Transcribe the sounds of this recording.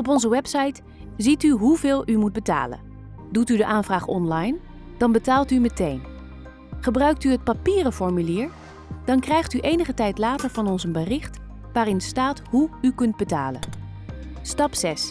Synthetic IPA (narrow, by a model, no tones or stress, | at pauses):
ɔp̬ɔnzəʋɛpsɑjt | zityɦuvɪːlˠymud̚bəta̰ːlə̰n | dutydəʔaːnvraːχɔ̰nlɑjn | d̥ɑnbətaːlˠtymətejn | χəbrœɥk̚tyət̚papiːrəfɔɹmyliːɹ | d̥ɑnkrɛjχtyʔejnəχətɛjtlaːtəɹvɑnɔnsənbərɪχt | ʋaːrɪnstaːtɦuykɵnd̚bəta̰ːlə̰n | stɑpsɛs